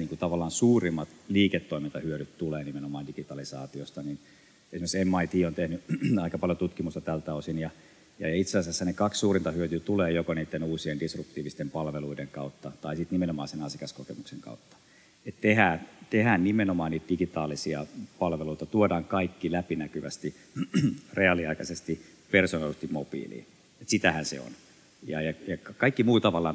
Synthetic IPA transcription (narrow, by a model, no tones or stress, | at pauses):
niːŋkut̪ɑʋɑlːˑɑːnsuːrimːɑt̪liːket̪ːoimint̪ɑhyøɾyt̪t̪uleːnimenomɑːndikit̪ɑlisɑ̰ːt̪iost̪ɑnin | esimeksemːɑit̪iːont̪ehnyɑikɑpɑljot̪ut̪kimust̪ɑt̪ælt̪æosinjɑ | jɑjɑit̪sesɑsæsːænekɑkssuːrint̪ɑhyøt̪yt̪uleːjokoniːt̪ːenuːsiendisryp̚t̪iːʋist̪empɑlʋeluideŋkɑut̪ːɑt̪ɑisit̪nimenomɑ̰ːsenɑsikɑskokemukseŋkɑ̰ut̪ːɑ̥ | et̪t̪ehæːt̪ehæːnnimenomɑːniːt̪d̥iɡit̪ɑːlisiɑ̰pɑlʋeluit̪ɑt̪uodɑːŋkɑikːilæpinækyʋæ̰st̪i | reɑliɑikɑsest̪i | personɑlset̪immopḭːlḭː | et̪sit̪æhænsḛo̰n | jɑ̰jɑjɑkkɑikːimuːt̪ɑʋɑlːˑɑ̰ːn